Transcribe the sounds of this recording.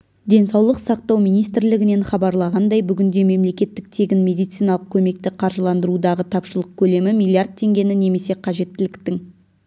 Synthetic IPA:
d̪e̞nsɑwlˠəqsɑq̚t̪ɑwmijnijst̪ɪɾlɪɡʲɪne̞ɴχɑbɑɾlˠɑʁɑnd̪ɑjbʏɡʲɪnd̪e̞me̞mle̞kʲe̞t̪ːɪk̚t̪ʰe̞ɡʲɪnmʲe̞d̪ijt̪sijnɑlˠəq̚kʲʰɵme̞k̚t̪ɪqʰɑɾʒəlˠɑnd̪əɾud̪ɑʁət̪ʰɑpʃəlˠəq̚kʲʰɵle̞mɪmijlʲˠiard̪̚t̪ʰe̞ŋɡʲe̞nɪne̞me̞se̞qʰɑʒe̞t̪ːɪlɪkt̪ɪŋ

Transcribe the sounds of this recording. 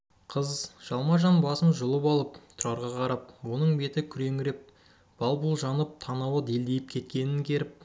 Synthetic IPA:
qʰəzʒ̥ɑlˠmɑʒɑnbɑsənʒʊlˠəpɑlˠəpt̪ʰʊɾɑɾʁɑqʰɑɾɑp̚wo̞nəɴbe̞t̪ɪkʲʰʏɾe̞ŋɪɾe̞p̚ | b̥ɑlˠbəlˠʒɑnəp̚t̪ʰɑnɑwəd̪e̞ld̪ejɪp̚kʲʰe̞t̪̚kʲe̞nɪŋkʲʰe̞ɾɪp̚

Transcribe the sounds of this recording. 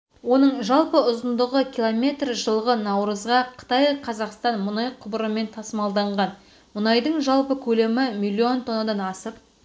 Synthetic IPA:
wo̞nəɴʒɑlˠpəʊzənd̪əʁəkʲʰilˠo̞mʲe̞t̪rʒəlˠʁənɑwɾəzʁɑqʰə̥t̪ɑjqʰɑzɑqst̪ɑnmʊnɑjqʰʊbəɾəme̞nt̪ʰɑsəmɑlˠd̪ɑɴʁɑn | mʊnɑjd̪əɴʒɑlˠpəkʲʰɵle̞mɪmilʲˠːio̞nt̪ʰo̞nːod̪ɑnɑsəp̚

